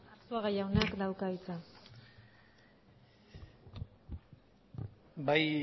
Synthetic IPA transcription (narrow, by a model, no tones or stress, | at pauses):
t͡soaɣajawnakd̪awkait͡sa | baj